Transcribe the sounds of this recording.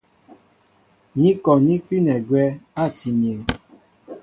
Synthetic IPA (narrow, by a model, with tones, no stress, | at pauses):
ɲĩ˦kɔ˨ɲĩ˦ki˦nɛ˨ɡwɛ˧a˦˨ti˨mĩ˨e˨